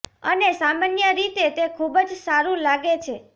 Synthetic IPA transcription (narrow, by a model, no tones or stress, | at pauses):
ənesamanjəɾit̪et̪ekʰubd͡ʒsaɾũlaɡet͡ʃʰe